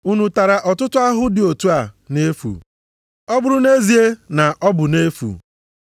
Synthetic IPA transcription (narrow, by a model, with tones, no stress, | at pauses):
u˦nu˨ta˨ɾa˨ʔɔ˨tʊ˦tʊ˦a˦ɦʊ˦dɪ˨o˨tu˦a˨ne˦fṵ˨ | ɔ˦bʊ˨ɾʊ˨ne˦zi˨e˦na˨ʔɔ˦bʊ˨ne˦fṵ˨